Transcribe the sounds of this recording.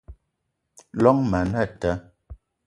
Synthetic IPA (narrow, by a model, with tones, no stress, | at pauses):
lɔ˦ŋmə˨nə˦˨tə˦